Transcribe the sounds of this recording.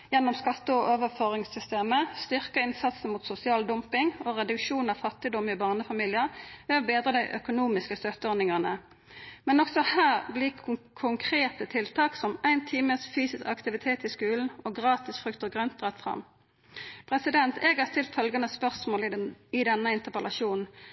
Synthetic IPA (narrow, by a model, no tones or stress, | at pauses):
jɛnːɔmskɑt̪ːəɔʔoːʋəføːʁɪŋsʏst̪eːməst̪ʏʁkəɪnsɑt̪sn̩muːt̪sʊsɪɑːld̪ɔmpɪŋɔʁɛd̪ʉkʃuːnɑʋfɑt̪ːɪd̪ɔmɪbɑːʁnəfɑmiːlɪəʁʋɛɔbeːd̪ʁəd̪æɪʔœkʊnuːmɪskəst̪œt̪ːəɔnɪŋəʁnə | mɛnɔksɔhæːʁblɪkʰʊŋkʰʁeːt̪ət̪ʰɪlt̪ʰɑːksɔmæɪnt̪ʰiːməsfyːsɪskɑkt̪ɪʋɪt̪ʰeːt̪ɪskʉːln̩oɡʁɑːt̪ɪsfʁʉkt̪əɡʁœnt̪̚d̪ʁɛt̪fʁɑ̰m | pʰʁɛsɪd̪ɛnt̪ʰeːɡhɑʁst̪ɪlt̪fœlɡɑnəspœʁsmoːlɪd̪ɛnːəɪnt̪əpəlɑʃuːnn̩